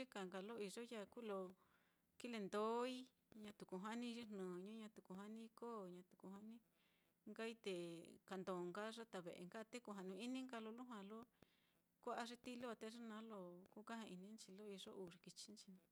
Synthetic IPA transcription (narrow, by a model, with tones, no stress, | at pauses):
ʐi˦ka˨ŋɡa˧lo˦i˧ʐo˦ja˦ku˦lo˧ | ki˦le˧nd̪o˦i˦ | ɲã˧t̪u˨ku˧ɦa˦nĩ˧ʐi˦n̥nũː˨ɲũ˦ɲã˧t̪u˨ku˧ɦa˦nĩ˦˧koː˦˨ɲã˧t̪u̥˨ku˧ɦa˦nĩ˦ | ŋɡa˦i˦t̪e˨ka˧nd̪o˨ŋɡa˦ʐa˦t̪a˧˨βḛ˨ʔḛ˨ŋɡa˦˧t̪e˦ku˧ɦa˧nũ˧i˦nĩ˦ŋɡa˧lo˧lu˦ɦwã˧lo˦ | kʷa˦ʔa˧ʐi˦t̪i˦lo˦˧t̪e˧ʐi˦nã˦lo˧ku˦ka˦hã˧ʔi˧nĩ˦nt͡ʃi˧lo˦i˧ʐo˦ʔu˨ʐi˧ki˧t͡ʃi˧˦nt͡ʃi˧nã˧